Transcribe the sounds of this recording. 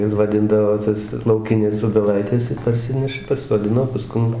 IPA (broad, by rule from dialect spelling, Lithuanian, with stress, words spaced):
ɪr ʋɐˈdʲɪndɐʋoː ˈtɐs lˠɐʊˈkʲɪnʲɛs oːbʲɛˈlˠɐɪtʲɛs ɪr pɐrʲˈsʲɪnʲɛʃɐ pɐsʲɪsoːˈdʲɪnoː pɐˈskʊm